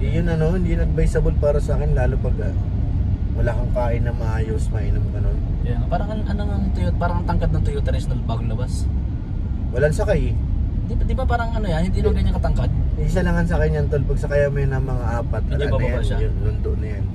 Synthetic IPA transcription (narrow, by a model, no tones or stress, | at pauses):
jʊnɐno̞ɪnd̪inɐɡ̚bɐjsɐbolpaːɾɐsaːkɪnlaːlopɐɡa | wɐlaːkoŋkaːʔɪnːɐŋmɐʔaːjosmɐʔɪnomɡɐno̞nɐaŋɐpaːɾɐŋɐʔɐnoŋɐŋt̪ʊjot̪̚paːɾɐŋɐt̪ɐŋkad̪nɐŋt̪ʊjot̪ɛɾɛsnɐlbaːɡoŋlɐbas | wɐlansɐkajd̪id̪ɪbapaːɾɐŋɐnojanhɪnd̪inoɐɲaŋkɐt̪ɐŋkad̪̚is̬ɐlɐŋɐnsɐkɐjɲɐnt̪olpɐɡ̚sɐkajɐmɐnɐŋmɐŋaʔaːpɐt̪̚ːɐlnɐjajʊnlʊnt̪oʔnɐjan